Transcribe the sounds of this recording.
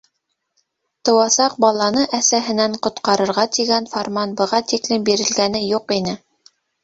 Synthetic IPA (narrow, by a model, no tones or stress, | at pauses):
t̪ɤ̆wɑsɑq̚bɑlˠɑnɤʔæsæɦɘ̆næɴqŏt̪qɑɾɤ̆ɾʁɑt̪iɡænformanbɤ̆ʁɑt̪iklɘmbiɾɘ̆lɡænɘjuqinɘ